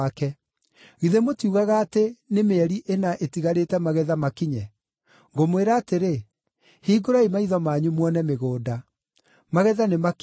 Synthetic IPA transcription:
kɛ | ɣiðemotjuɣaɣaːtenemeɛɾiʔenaʔetiɣaɾetɛmaɣɛðamakiɲɛ | ŋɡomweɾaːteɾe | hiːɡoɾaimaiðɔmaɲumwɔnɛmeɣoːda | maɣɛðanemak

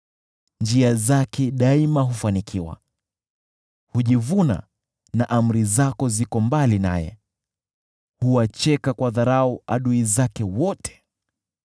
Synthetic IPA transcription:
nd͡ʒiazakɛɗaimaɦufanikʰiwa̰ | huʄivuna̰ | naʔam̩ɾizakɔzikɔmbalina̰jɛ̰ | huwat͡ʃɛkakwaðaɾaua̰ɗuizakɛwɔtʰɛ̥

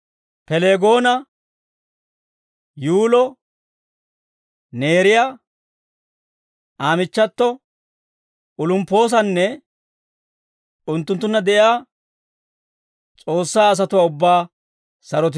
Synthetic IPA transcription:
pɛle̞ːɡo̞ːnɐ | juːlɔ | ne̞ːɾɪja | ʔaːmɪt͡ʃːɐt̪ːɔ | ʊlʊmpːo̞ːs̬ɐnːɛ | ʊnt̪ːʊnt̪̬ːʊnːɐd̪ɛʔɪaː | t͡sʼo̞ːsːaːs̬ɐt̪ʊwaːʊbːaː | sɐɾɔt̪̬ɪ

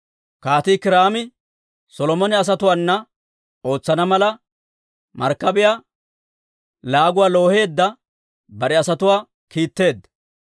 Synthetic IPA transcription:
kaːt̪ɪkɪɾaːmɪ | sɔlɔmɔnɛɐs̬ɐt̪ʊwaːnːɐ | o̞ːt͡sːɐnɐmɐlɐ | mɐ̰ɾkːɐbɪjaː | laːɡʊwaːlo̞ːhe̞ːd̪ːɐ | bɐɾɛɐsɐt̪ʊwaː | kiːt̪ːe̞ːd̪ː

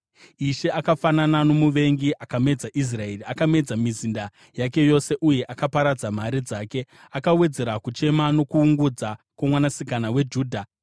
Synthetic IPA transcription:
iʃe̞ʔakafananano̞muʋe̞ŋɡiʔakame̞d͡zaʔis̬rae̞riakame̞d͡zamizinda | jake̞jo̞se̞ʔuje̞ʔakapaɾad͡zam̤aɾid͡zaːke̞ | akawe̞d͡ze̞ɾakut͡ʃe̞mano̞kuːŋɡud͡zakwamwanasikanawe̞d͡ʒuːdʱa

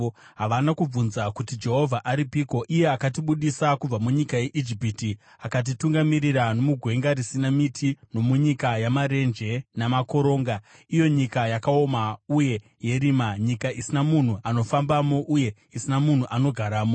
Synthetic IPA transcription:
ɦaʋanakub͡vunzakutid͡ʒe̞ɦo̞vʱaʔaɾipiːko̞ʔije̞akat̬iɓuɗisakub͡vamuɲikaje̞ʔid͡ʒipiti | akat̬ituŋɡamiriɾano̞muɡʱwe̞ŋɡaɾisinamitʰino̞muɲikajamaɾe̞nd͡ʒe̞namako̞ɾo̞ːŋɡaijo̞ɲikajakao̞mauje̞ | je̞ɾimaɲikaʔisinamun̤uʔano̞fambamo̞ʔuje̞ | isinamun̤uʔano̞ɡʱaɾaːmo̞

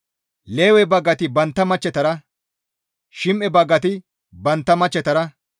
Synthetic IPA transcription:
leːwɛbɐɡːɐt̪ɪbɐnt̪ːɐmɐt͡ʃːɛt̪ɐɾɐ | ʃɪmʔɛbɐɡːɐt̪ɪ | bɐnt̪ːɐmɐt͡ʃːɛt̪ɐɾɐ

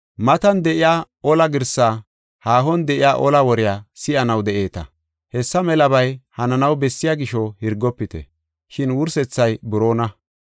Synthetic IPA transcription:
mɐt̪ɐnd̪ɛʔɪjaː | ɔlɐɡɪɾsaː | haːɦɔnd̪ɛʔɪjaːʔɔlɐwɔɾɪjaːsɪʔɐnɐwd̪ɛʔe̞ːt̪ɐ̰ | hɛsːɐmɛlɐbɐjhɐnɐnɐwbɛsːɪjaɡɪʃɔhɪɾɡːɔpːɪt̪ɛ̰ | ʃɪnwʊɾsɛt͡sːɐjbʊɾo̞ːnɐ

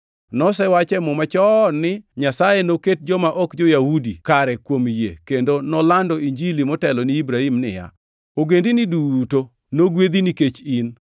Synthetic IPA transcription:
nɔsɛwat͡ʃɛmɔmat͡ʃɔnɪɲasajenoket̚d͡ʒɔmaʔɔkd͡ʒɔjahudikaɾɛkwomjḛkendonɔlandɔiɲd͡ʒilimɔtɛlɔnɪibɾaimnɪ̰ja̰ | oɡendinɪduto | noɡwed̪iniket͡ʃin

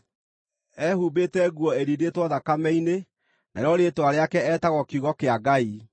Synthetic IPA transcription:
ɛhuːbetɛɣwɔeɾidetwɔðakamɛine | na̰ɾeɔɾetwaɾeakɛɛːtaɣɔkiuɣɔkeaɡai

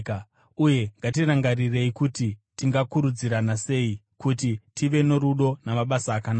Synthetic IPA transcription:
ka | uje̞ŋɡatiraŋɡarire̞ikutitiŋɡakuɾud͡ziɾanase̞ikutitiʋe̞no̞ɾuɗo̞namaɓasaːkanaː

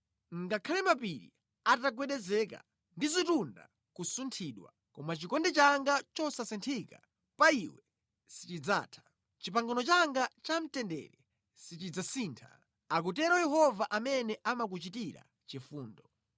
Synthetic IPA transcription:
ŋɡakʰalɛmapiɾḭ | ataɡwɛɗɛzɛka̰ | ndizitunda̰ | kusuntʰiːɗwa̰ | kɔmat͡ʃikɔndɛt͡ʃaŋɡat͡ʃɔsasɛntʰika | paiwɛ | sit͡ʃid͡za̰ːtʰḁ | t͡ʃipaŋɡɔnɔt͡ʃaŋɡat͡ʃam̩tɛndɛ̰ɾɛ | sit͡ʃid͡zasiːntʰa̰ | ak̬ut̬ɛɾɔjɛɦɔvaʔamɛnɛʔamak̬ut͡ʃitiɾa̰ | t͡ʃifuːndɔ

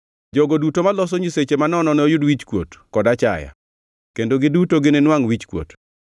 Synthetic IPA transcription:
d͡ʒoɡodutomalɔs̬ɔɲiset͡ʃemanɔnɔnojʊdwit͡ʃkwo̰tkɔdat͡ʃa̰ja̰ | kendoɡɪdutoɡɪnenwaŋwit͡ʃkwo̰t

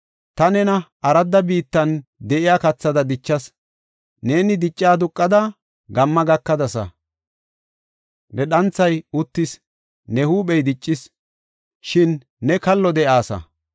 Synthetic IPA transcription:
t̪ɐnɛnɐʔɐɾɐd̪ːɐbiːt̪ːɐnd̪ɛʔɪjaːkɐt͡sːɐd̪ɐd̪ɪt͡ʃːɐs | ne̞ːnɪd̪ɪt͡ʃʼːaːd̪ʊkʼːɐd̪ɐ | ɡɐmːɐɡɐkːɐd̪ɐsɐ̰ | nʔɛɗɐnt͡sːɐjʊt̪ːɪs | nɛhuːpɛjd̪ɪt͡ʃʼːɪs | ʃɪnː | ɛkɐlːɔd̪ɛʔaːsɐ̰

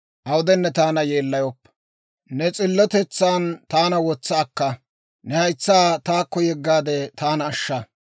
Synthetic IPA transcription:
ʔɐwʊd̪ɛnːɛt̪aːnɐjeːlːɐjɔpː | nɛt͡sʼɪlːɔt̪ɛt͡sːaːnt̪aːnɐwɔt͡sːɐːkːɐ | nɛhɐjt͡sːaːt̪aːkːɔjɛɡːaːd̪ɛt̪aːnːʃːɐ

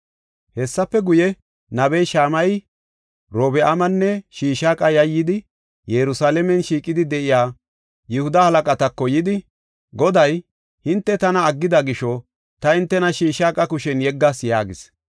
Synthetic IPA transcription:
hɛsːɐpːɛɡʊjɛ | nɐbɛjʃaːmɐj | ɾoːbɛʔɐmɐnːɛʃiːʃaːkʼɐjɐjːɪd̪ɪ | jɛɾʊsaːlɛmɛnʃiːkʼɪd̪ɪd̪ɛʔɪjaː | jɛhʊd̪ɐhɐlɐkʼɐt̪ɐkːɔjɪd̪ɪ | ɡɔd̪ɐj | hɪnt̪ːɛt̪ɐnɐːɡːɪd̪ɐɡɪʃɔ | t̪ɐɪnt̪ːɛnɐʃiːʃaːkʼɐkʊʃɛnjɛɡːasjaːɡɪs

